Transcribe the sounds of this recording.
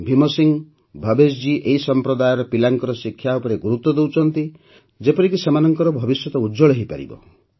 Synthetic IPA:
bʱimɔsiŋ | bʱɔbesd͡ʒiʔeɦisɔmpɾɔd̪ajɔɾɔpilaŋkɔɾɔsikʰːjaupɔɾeɡuɾut̪ːɔd̪ewt͡ʃʰɔnt̪i | d͡ʒepɔɾikisemanɔŋkɔɾɔbʱɔbisjɔt̪ɔud͡ʒɔɭɔɦipa̰ɾḭbɔ̰

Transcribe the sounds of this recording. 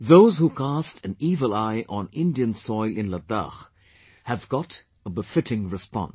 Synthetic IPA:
ðoʊzhukʰastʰɨ̃nivəlˠaɪʔə̃nɪ̃ndiɨ̃nsɔɪlˠɨ̃nləd̪a̰x | hɨvɡɑɾ | əbəfɪɾɪ̃ŋɹɨspɑ̰̃ns

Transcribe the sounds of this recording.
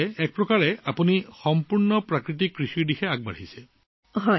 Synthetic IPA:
ɛk̚pɹɔkaɹɛapunixɔmpuɹnɔpɹakɹit̬ikːɹixiɹdixɛaɡ̚ba̰ɹhisɛ | ɦɔj

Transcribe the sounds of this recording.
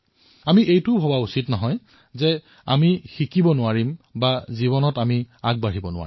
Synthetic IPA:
amiʔejtʊbʱɔbausitnɔɦɔj | zɛ | amixikibɔnʊaɹimbazibɔnɔtamiaɡ̚baɹibɔnʊa̰ɹi

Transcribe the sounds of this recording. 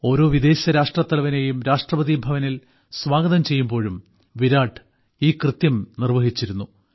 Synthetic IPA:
o̞ːɾo̞ːʋid̪e̞ːɕɐɾaːʂʈrɐt̪ːɐlɐʋɐne̞ːjumɾaːʂʈrɐbɐðibʱɐʋɐnil | sʋaːɡɐðɐmt͡ɕe̞jːumbo̞ːɻum | ʋiɾaːʈʰɨ | iːkrɨt̪jɐmnirʋɐɦit͡ɕːiɾunːu

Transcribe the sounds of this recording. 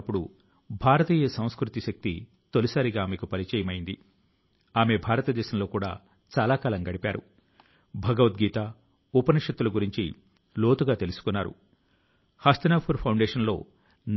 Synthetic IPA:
pːuɽu | bʱaːɾɐt̪iːjɐsɐ̃w̃skɾut̪iʃɐk̚t̪i | t̪olisaːɾiɡaːmekupɐlit͡ʃɛːjɐmɐjind̪i | aːme̞bʱaːɾɐt̪ɐd̪ɛːʃɐmlo̞ːkuːɽa̰ː | t͡ʃaːlaːkaːlɐŋɡɐɽipaːɾṵ | bʱɐɡɐʋɐt̪ɡiːt̪aː | upɐnɐʂɐt̪ːulɐɡuɾiɲt͡ʃḭ | lo̞ːt̪uɡaːt̪e̞lusu̥kunːaːɾṵ | hɐst̪ɐnaːpʰuɾpʰɐwɳɖeːʂɐnlo̞̰ː | n

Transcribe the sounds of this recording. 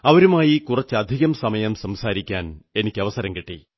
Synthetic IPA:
ɐʋɐɾumaːjikurɐt͡ɕːɨɐd̪ʱiɣɐmsɐmɐjɐmsɐmsaːɾikʲːaːne̞nikʲːɨɐʋɐsɐɾɐmkiʈːḭ

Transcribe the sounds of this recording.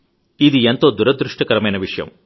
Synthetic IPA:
id̪ient̪o̞ːd̪uɾɐd̪ɾuʂʈɐkɐɾɐmɐjnɐʋiʂɐjɐ̰m

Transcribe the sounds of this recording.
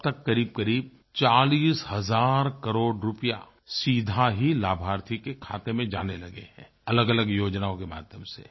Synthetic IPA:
t̪ɐkːɐɾiːb̚kɐɾiːb̚ | t͡ʃaːliːshɐzaːɾkɐɾoːɖɾʊpija̰ | siːd̪ʱaɦilaːbʱaːɾt̪ʰikekʰa̰ːt̪emẽd͡ʒa̰ːnelɐɡḛɦɛ̃ː | ɐləɡɐləɡjoːd͡ʒnaːõkema̰ːd̪ʱjəmsḛ

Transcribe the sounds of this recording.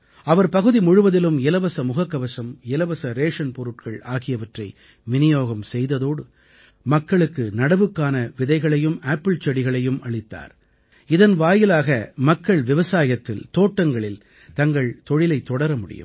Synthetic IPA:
ɐʋɐɾpɐɣɯðimʊɻʊʋɐðɪlɯmɪlɐʋɐsɐmʊɣɐkːɐʋɐsɐmɪlɐʋɐsɐɾeːʂɐnpɔɾɯʈ̚kɐɭaːɣɪjɐʋɐʈrɐɪ | ʋɪnɪjoːɣɐmsɛjðɐðoːɽɯ | mɐkːɐɭɯkːɯnɐɽɐʋɯkːaːnɐʋɪðɐɪɣɐɭɐjɯmaːpːɪlt͡ʃɛɽɪɣɐɭɐjɯmʔɐɭɪt̪ːa̰ːɾ | ɪðɐnʋaːjɪlaːɣɐmɐkːɐɭʋɪʋɐsaːjɐt̪ːɪ̰lt̪oːʈːɐŋɡɐɭɪl | t̪ɐŋɡɐɭt̪ɔɻɪlɐɪt̪ːɔɽɐɾɐmʊɽɪ̰jɯ̰m

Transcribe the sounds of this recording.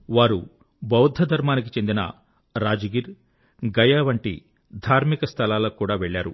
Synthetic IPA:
ʋaːɾu | bɐwd̪ʱɐd̪ʱɐɾmaːnik̬it͡ʃend̪inɐ̰ | ɾaːd͡ʒɐɡiɾ | ɡɐjaːʋɐɳʈḭ | d̪ʱaːɾmikɐst̪ʰɐlaːloːkuːɽaːʋeɭːaːɾṵ

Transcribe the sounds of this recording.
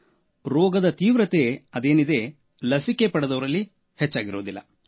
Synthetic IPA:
ɾɔːɡɐd̪ɐt̪iːʋɾɐt̪e̞ɐd̪e̞ːnid̪e̞ | lɐsike̞pɐɽed̪ɐʋɐɾɐlːi | het͡ʃːaːɡiɾoːd̪ilːɐ

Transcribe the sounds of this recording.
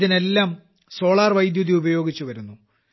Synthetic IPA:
ðine̞lːaːm | so̞ːɭaːrʋɐjd̪juðjiubɐjo̞ːɡit͡ɕːuʋɐɾunːu

